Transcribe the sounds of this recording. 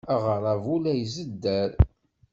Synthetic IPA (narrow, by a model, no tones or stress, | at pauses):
aʁəɾˤævulæjzəd̪ːæɾ